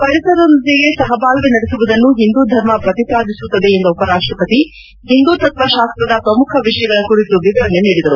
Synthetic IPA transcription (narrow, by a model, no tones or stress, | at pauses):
pɐɾisɐɾond̪eɡesɐɦɐbaːlʋenɐɽesuʋud̪ɐnːuɦind̪uːd̪ʱɐɾmɐpɾɐt̪ipaːd̪ʱisut̪ːɐd̪eːnd̪ɐupɐɾaːʂʈɾɐpɐt̪i | hind̪uːt̪ɐt̪ʋɐʃaːst̪ɾɐd̪ɐpɾɐmukʰɐʋiʂɐjɐɡɐɭɐkuɾit̪uʋid̪ɐɾɐnːeniːɽid̪ɐɾu